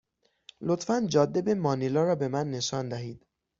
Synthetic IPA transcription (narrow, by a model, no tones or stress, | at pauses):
lot̪fænd͡ʒɒːd̪ːe̞be̞mɒːnilɒːɾɒːbe̞mænːe̞ʃɒːnd̪æɦiːd̪̥